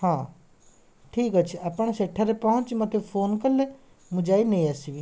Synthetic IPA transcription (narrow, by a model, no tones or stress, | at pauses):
hãː | ʈʰiːkət͡ʃʰiɐpɳ̃aseːʈʰaɾepɐɦʊ̃t͡ʃmət̪ʰepʰoːnkəle | mʊd͡ʒaːinɐ̃ĩəsiʋi